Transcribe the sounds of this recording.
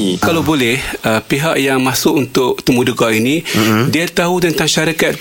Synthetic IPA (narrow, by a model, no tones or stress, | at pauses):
kalabolɛhəpiɦaʔjaŋmasʊkunt̪ʊʔt̪əmudukainidiat̪aɦut̪ənt̪aŋʃaɾikat̪̚